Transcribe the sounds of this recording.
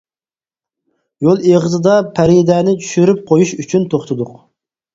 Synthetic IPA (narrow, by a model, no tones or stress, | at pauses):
jolˠeʁəzɨd̪ɑpʰɛɾid̪ɛnɪt͡ʃʰy̥ʃyɾyp̚qʰojuʃyt͡ʃʰynt̪ʰoχt̪ʰʊd̪ʊq